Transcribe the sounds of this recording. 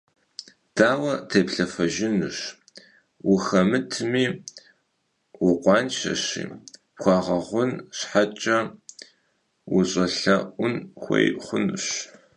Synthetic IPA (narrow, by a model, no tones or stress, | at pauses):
d̥aːwɐtʰeːpɬɐfɐʒɪnɨɕ | wʊxɐmɨtʰmiː | wʊqʷɑːnʃɐ̰ɕḭːpxʷɑːʁɐʁʷʊnɕħat͡ʃʼɐ | wʊɕʼɐɬɐʔʷʊnxʷḛjχʷʊnɨɕ